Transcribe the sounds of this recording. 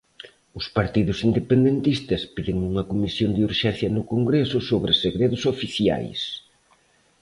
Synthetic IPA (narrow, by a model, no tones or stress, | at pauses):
ʊspaɾt̪iðʊsind̪epend̪ent̪ist̪ɐspiðɪŋuŋɐkomisjond̪euɾʃɛn̟θjɐnʊkoŋɡɾesʊsoβɾɪseɣɾeðʊsofiθja̰js